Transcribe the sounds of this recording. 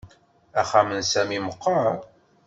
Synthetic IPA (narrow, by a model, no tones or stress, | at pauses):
æχæmənsæmiməqːɑɾ